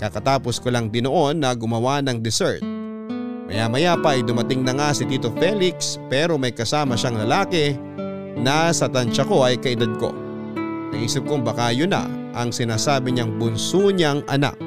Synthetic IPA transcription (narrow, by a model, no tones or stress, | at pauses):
kɐkɐt̪aːposkolaŋd̪ɪnoʔo̞nːɐɡʊmɐwanɐŋd̪ɪsɛɹt̪̚ | mɐ̰jamɐjapɐʔːjd̪ʊmɐt̪ɪŋnɐŋasɪd̪iːt̪o̞fɛlɪkspɛːɾo̞mɐjkɐsaːmɐʃaŋlɐlaːkɛ | nasɐt̪ɐnt͡ʃɐko̞ʔɐjkɐʔɪd̪ad̪̚ko̞̰ | nɐɡʔiːsɪp̚koŋbɐkaːjona̰ | ʔɐŋsɪnaːsaːbɪɲɐŋbʊnsuɲaŋʔɐna̰k̚